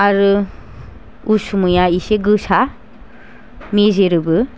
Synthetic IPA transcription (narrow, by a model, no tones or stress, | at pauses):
aɾɯ | usumɯjaiseɡɯsa | mezeɾɯbɯ